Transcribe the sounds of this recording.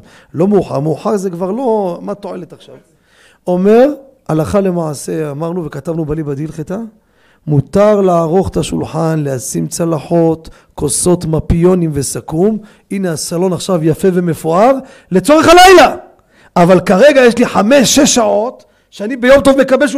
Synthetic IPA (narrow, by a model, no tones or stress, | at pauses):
lo̞muħa̰ʁmuħakzekvaʁlo̞mat̪oʕelet̪aχʃav | o̞me̞ʁ | alaχale̞maʕase̞amaʁnuve̞kat̪avnubalibad̪ilχet̪a | mut̪aʁlaːʁo̞χet̪aʃṵlħanleasimt͡salaħo̞t̪ | ko̞so̞t̪mapijo̞nimvesakum | ineasalo̞naχʃavjafe̞ve̞me̞fuaʁ | le̞t͡so̞ʁeχalajla | avalkaʁe̞ɡajeʃliħameʃːe̞ʃːao̞t̪ | ʃeanibe̞jo̞mt̪o̞vme̞kabeʃ